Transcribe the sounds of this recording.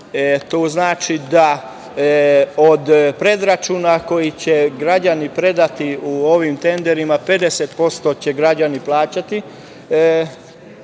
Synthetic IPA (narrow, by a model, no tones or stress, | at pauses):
t̪oːznaːt͡ʃid̪a | od̪pɾe̞d̪ɾat͡ʃuːnako̞jit͡ɕe̞ɡɾad͡ʑanipɾe̞d̪at̪iuo̞ʋimt̪e̞nd̪e̞ɾimape̞d̪e̞set̪̚po̞st̪o̞t͡ɕe̞ɡɾad͡ʑaniplˠaːt͡ɕat̪i